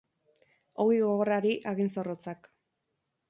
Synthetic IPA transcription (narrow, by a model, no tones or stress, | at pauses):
owiɣoɣo̞raɾiʔaɣinso̞rot͡sak